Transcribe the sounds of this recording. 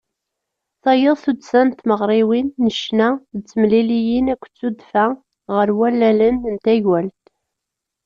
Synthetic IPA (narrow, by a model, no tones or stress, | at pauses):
θɑjəðˤθud̪sænt̪məʁɾˤiwinːəʃnæt͡sːəmlilijinækʷːt͡sːud̪fæ | ʁəɾwælːælənnt̪æʝwælt̪